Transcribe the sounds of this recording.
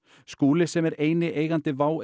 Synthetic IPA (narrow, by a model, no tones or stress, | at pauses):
skuːlɪsɛmɛɾeːjnɪʔeːjɣant̪ɪvaːw